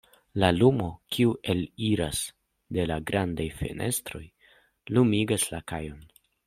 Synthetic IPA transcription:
lalumo̞kʰiuʔe̞liɾas | de̞laɡɾandajfe̞̰nʔe̞stɾo̞̰j | lumiɡaslakajo̞n

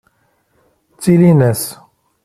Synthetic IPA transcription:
t͡silinɛs

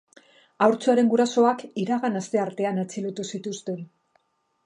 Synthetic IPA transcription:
awɾt͡suaɾe̞ŋɡuɾaso̞akiɾaɣanast̪e̞aɾt̪e̞anat͡silot̪usit̪ust̪e̞n

